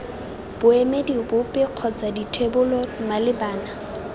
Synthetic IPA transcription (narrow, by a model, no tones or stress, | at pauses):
b̥ʊemedibʊpʼɪq͡χʰɔt͡saditʰwebʊlɔmalɪbaːna